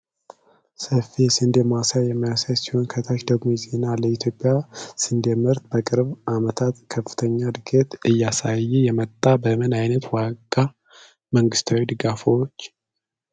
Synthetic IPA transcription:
səfiɛsɨnd̪emasajːɛmːijasajsiho̞nkʰət̪ʰaʃd̪əɡmoze̞naləit̪ʰjo̞pʼːjasɨnd̪emɨɾt̪̚bəkʼɨɾβʔamət̪ʰat̪kʰəfːɨ̥t̪ʰəɲːad̪ɨɡət̪ɨjːasajːɛjɛmət̪ʼːabəmɨnajnət̪waɡa | məŋɡɨst̪ʰawid̪ɨɡafoot͡ʃː

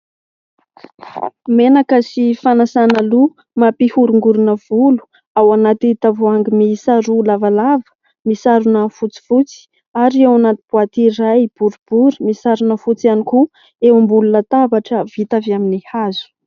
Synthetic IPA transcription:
menakəsifanasanəlu | mapihuɾuŋɡuɾunəv̥ulu̥ | awanat̪it̪avuaŋɡimisaɾulavalavə̥ | misaɾunəfut͡si̥fut͡si̥ | aɾewanat̪ib̥uat̪iɾajb̥uɾib̥uɾimisaɾunəfut͡sianiku | ewmbulunət̪abaʈ͡ʂəvit̪aviaminihazu̥

